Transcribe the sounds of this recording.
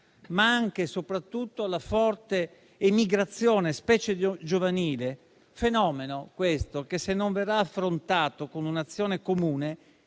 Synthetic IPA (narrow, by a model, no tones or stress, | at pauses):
maaŋk̟esopɾat̪ːut̪ːoalafɔrt̪eː | miɡɾat̪sːjoːnespɛːt͡ʃed͡ʒovaniːle | fenɔːmenokwest̪okesenːoɱverːaːfːɾont̪aːt̪okonunat̪sːjoːnekomuːne